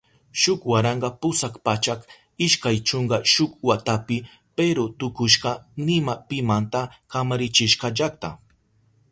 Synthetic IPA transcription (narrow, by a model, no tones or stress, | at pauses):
ʃʊkwaɾɑɴɢɑpʊsakpat͡ʃak | ɪʃkajt͡ʃoɴɢɑʃʊkwat̪apɪ | peɾot̪ʊkʊʃɢɑnɪmapɪmant̪akamaɾɪt͡ʃɪʃqɑʒak̚t̪a̰